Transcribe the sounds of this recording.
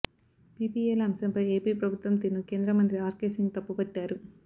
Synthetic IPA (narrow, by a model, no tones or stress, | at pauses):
piːpiːelɐmsɐmpɐje̞ːpiːpɾɐbʱut̪ʋɐmt̪iːnːukeːnd̪ɾɐmɐnt̪ɾiaːɾkeːsiŋɡt̪ɐpːupɐʈːaːɾu